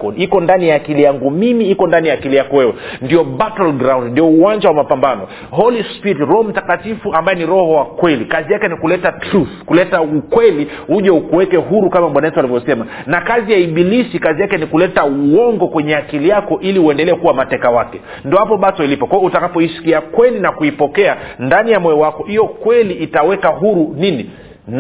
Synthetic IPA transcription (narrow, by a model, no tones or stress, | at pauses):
kɔikɔndanijaːkilijaŋɡumimiikɔndanijaːkilijakɔwɛwɛndiɔɓatɔlɡɾaw̃ndndiɔuwaɲd͡ʒawamapambanɔ | ɦɔlispitɾɔhɔm̩takatifuambajɛniɾɔhɔwakwɛlikazijakɛnikulɛtatɾuθkulɛtaukwɛlihuʄaukuwɛkɛɦuɾukamamɓwanaɛtualivjɔsɛma | nakazijaiɓilisikazijakɛnikulɛtauwɔŋɡɔkwɛɲɛakilijakɔʔiliuɛndɛlɛɛkuwamatɛkawakɛ | ndɔhapɔɓatɔilipɔkaɛutakapɔiʃkiakwɛlinakuipɔkɛandanijamɔjɔwakɔijɔkwɛliːtawɛkaɦuɾunini | n